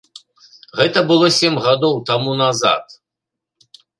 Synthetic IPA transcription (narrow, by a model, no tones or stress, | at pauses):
ɣɛt̪ɐbɨlˠɔsʲɛmʲɣad̪ɔwt̪amunaza̰t̪